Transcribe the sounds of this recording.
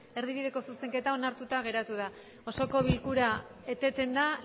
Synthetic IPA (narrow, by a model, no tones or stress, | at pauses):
e̞ɾðiβ̞iðe̞ko̞suse̞ŋke̞t̪ao̞naɾt̪ut̪aɣ̞e̞ɾat̪uð̞a | o̞soko̞βilkuɾaet̪e̞t̪e̞nd̪a